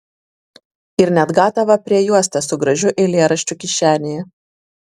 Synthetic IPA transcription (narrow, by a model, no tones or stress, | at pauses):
ɪɾnʲɛd̪ɡɑːt̪ɐʋɐpʲɾʲiɛjuɔsʲt̪ʲɐsʊɡɾɐʒʲʊʔeːlʲeɛɾɐʃʲt͡ʃʲʊkʲɪʃʲæːnʲejɛ